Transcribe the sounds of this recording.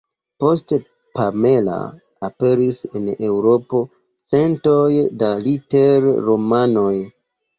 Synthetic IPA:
po̞st | pame̞la̰ | ape̞ɾisene̞wɾo̞po̞ | t͡se̞ntojdalite̞ɾːo̞mano̞j

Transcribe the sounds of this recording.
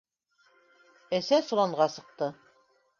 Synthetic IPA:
æsæsŭlˠɑɴʁɑsɤ̆q̚t̪ɤ

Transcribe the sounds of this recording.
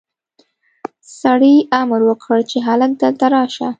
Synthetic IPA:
saɽiamɾwəkʰəɽt͡ʃeɦalək̚d̪ət̪aɾɑʃa̰

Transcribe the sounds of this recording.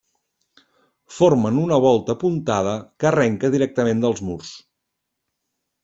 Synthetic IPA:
formənunəβ̞ɔlˠt̪əːpunt̪að̞əkəːrɛŋkəðiɾɛk̚t̪əmend̪əlˠzmurs

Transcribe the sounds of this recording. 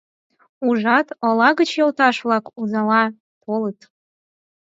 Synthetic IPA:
uʒɑt̪ɤ̆lɑɣət͡ɕjolˠt̪ɑʃβlˠɑkuzɑlɑ | pʰolət̪

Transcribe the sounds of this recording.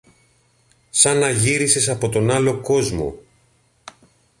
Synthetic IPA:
sɐnɐʝiɾisesɐpo̞t̪o̞nɐlo̞ko̞zmo̞̰

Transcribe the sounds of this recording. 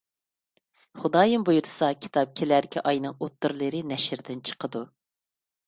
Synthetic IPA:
χʊd̪ɑːjɨmbujuɾsɑkʲʰi̥t̪ʰɑp̚kʲʰelæɾkʲʰɛʔɑjnɨŋot̪ːɨɾlˠɨɾɨnɛʃɾd̪ɪnt͡ʃʰə̥qʰəd̪u

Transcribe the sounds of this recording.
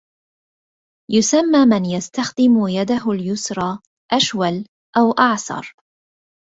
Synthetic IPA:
jʊsamːaːmɪnjast̪axd̪ɪmʊjad̪aɦʊljʊsɾˤɑː | ʔaʃwal | ʔawʔɑʕsɑ̰ɾˤ

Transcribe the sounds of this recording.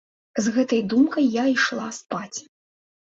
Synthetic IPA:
zɣɛt̪ɐjd̪umkɐjːaiʂlˠaspat͡sʲ

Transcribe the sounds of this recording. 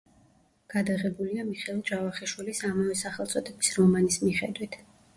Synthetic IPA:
ɡ̥ad̪aʁɛbuliamiχɛlˠd͡ʒavaχɛʃwilisamavɛsaχɛlˠt̪sʼɔd̪ɛbisɾɔmanismiχɛd̪wit̪ʰ

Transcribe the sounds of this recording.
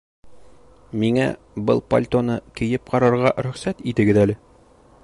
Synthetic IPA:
miŋæ̰ | bɤlˠpɐ̰lʲt̪onɤkɘ̆jɘp̚qɒɾɑɾʁɑɾɵ̆χsæt̪it̪ɘ̆ɡɘðælɘ

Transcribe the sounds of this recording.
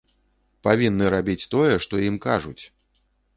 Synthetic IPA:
pavʲinːɨɾabʲit͡sʲt̪ɔjɛʂt̪ɔimkaʐut͡sʲ

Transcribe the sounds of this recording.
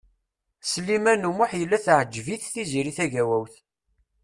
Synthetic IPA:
slimænumʊħjəlːæθʕd͡ʒːviθθiziɾiθæʝæwæwθ

